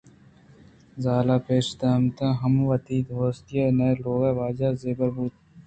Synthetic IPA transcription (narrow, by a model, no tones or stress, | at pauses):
zaːlaːpeːʃd̪aːmt̪ãːɦɐmʋɐt̪iːt̪ɦoːst̪ijeːnɐloːɡaːʋaːd͡ʒaːzeːbəɾbuːt̪